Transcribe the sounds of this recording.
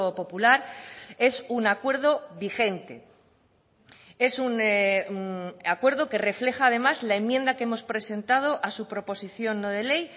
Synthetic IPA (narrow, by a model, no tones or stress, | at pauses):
opo̞pulaɾe̞sunakwe̞ɾð̞o̞βixe̞nt̪e̞̰ | e̞sun | akwe̞ɾðo̞ke̞re̞fle̞xaːð̞e̞mazlaemːjẽ̞nd̪akee̞mo̞spɾe̞se̞nt̪að̞o̞ʔasupɾo̞po̞siθjo̞nːoð̞e̞le̞j